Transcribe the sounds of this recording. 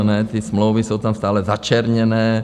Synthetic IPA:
nɛːt̪ismlowʋisowt̪amst̪aːlɛzat͡ʃɛɾɲɛnɛː

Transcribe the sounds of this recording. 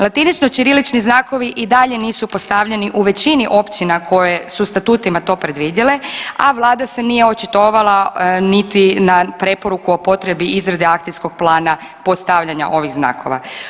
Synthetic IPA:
lˠat̪init͡ʃno̞t͡ʃiɾilit͡ʃniznaːko̞ʋiʔid̪aʎe̞niːsupo̞st̪aʋʎe̞niʔuʋe̞t͡ɕiniʔo̞pt͡ʃinakʰo̞je̞sust̪at̪uːt̪imat̪o̞ːpɾe̞d̪ʋiːd̪jele̞a̰ʋlˠaːd̪ase̞nije̞ot͡ʃit̪o̞ːʋalˠanit̪inapɾe̞poɾukuo̞po̞t̪ɾe̞biʔizɾad̪eakt̪sijsko̞ɡ̥̚plˠaːna | po̞st̪aʋʎaɲa̰ʔo̞ʋiɣzna̰ːkʰo̞̰ʋa̰

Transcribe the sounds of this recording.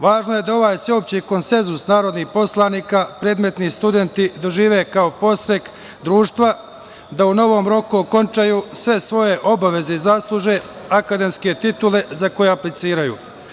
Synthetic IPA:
ʋaːʒno̞je̞d̪ao̞ʋaːjseopt͡ɕiko̞nse̞nzusnaːɾo̞d̪nihpo̞slˠaːniːkapɾe̞ːd̪me̞t̪nist̪ud̪e̞nt̪id̪o̞ʒiːʋe̞kao̞po̞sɾe̞k | d̪ɾuːʃt̪ʋa | d̪auno̞ʋo̞ːmɾo̞kuoko̞nt͡ʃajuːsʋe̞sʋo̞je̞ʔo̞baʋe̞ze̞izaːslˠuʒe̞ | akad̪e̞mske̞t̪it̪ule̞zako̞jeaplit̪siːɾajṵː

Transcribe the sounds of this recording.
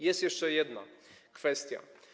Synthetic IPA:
jɛst̪jɛʂt͡ʂɛjɛd̪nakfɛst̪ʲja̰

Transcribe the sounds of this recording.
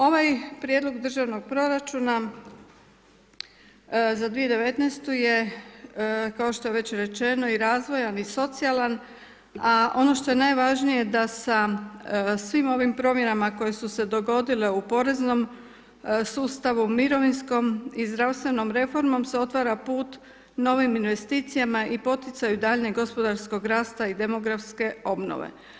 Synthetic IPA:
o̞ʋajpɾjed̪lo̞ɡd̪ɾr̩ʒaʋno̞ɡ̚pɾo̞ɾat͡ʃuna | zad̪ʋije̞d̪e̞ʋe̞t̪nest̪uje̞ | kao̞ʃt̪o̞jeʋe̞t͡ɕɾe̞t͡ʃe̞no̞iɾaːzʋo̞janiso̞t̪sialan | ao̞no̞ʃt̪o̞je̞najʋaʒnijed̪asa | sʋimo̞ʋimpɾo̞mje̞namako̞je̞suse̞d̪o̞ɡo̞d̪ile̞upo̞ɾe̞zno̞m | suːst̪aʋumiɾo̞ʋinsko̞mizd̪ɾaʋst̪ʋe̞no̞mɾe̞fo̞ɾmo̞mseo̞t̪ʋaɾapuːt̪ | no̞ʋiminʋe̞st̪iːt̪sijamaipo̞t̪jɪt̪sajud̪aːʎneɡo̞spo̞d̪aɾsko̞ɡɾaːst̪aid̪e̞mo̞ɡɾafske̞o̞bno̰ʋḛ

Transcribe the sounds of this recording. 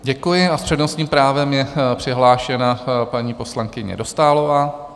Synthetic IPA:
ɟɛkujɪaspr̥ɛdnost̪ɲiːmpɾaːvɛmjɛpr̥ɪɦlaːʃɛnapaɲiːpo̞slaŋkɪɲɛ̰do̞st̪aːlovaː

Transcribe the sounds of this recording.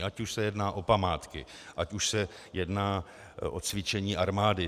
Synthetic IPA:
ʔacuʃsɛjɛdnaːʔo̞pamaːt̪kɪ | ʔacuʃsɛ | jɛdnaː | ʔot͡svɪt͡ʃɛɲiːʔaɾmaːdɪ

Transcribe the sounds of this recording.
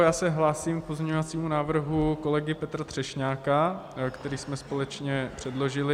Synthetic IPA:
jaːsɛɦlaːsiːmk̚po̞zɲɛɲovat͡siːmunaːvr̩ɦuko̞lɛɡɪpɛt̪ɾat̪r̥ɛʃɲaːkakt̪ɛɾiːsmɛspo̞lɛt͡ʃɲɛpr̝̥ɛdlo̞ʒɪlɪ

